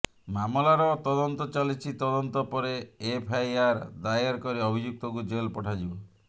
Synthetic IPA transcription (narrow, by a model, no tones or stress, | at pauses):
mamɔlaɾɔt̪ɔd̪ɔnt̪ɔt͡ʃalit͡ʃʰit̪ɔd̪ɔnt̪ɔpɔɾeːpʰajaɾd̪ajɔɾkɔɾiɔbʱid͡ʒuk̚t̪ɔkud͡ʒelpɔʈʰad͡ʒibɔ